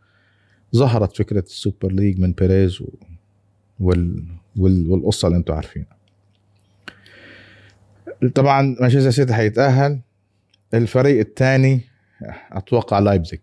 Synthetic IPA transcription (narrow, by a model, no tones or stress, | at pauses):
zˤɑɦɑɾˤɑt̪fɪkɾasːupɪɾliːɡmɪnbeɾeːz | wɪwɪwɪlʔʊsːˤɑliʔɪnt̪ʊʕa̰ɾˤfḭːna | t̪ˤɑbʕɑnmaʃasas̬et̪ħajːɪt̪ʔaɦːal | ʔɪlfaɾiːʔɪt̪ːaːni | ʔɑ̰t̪wɑqːɑʕlaːjbzak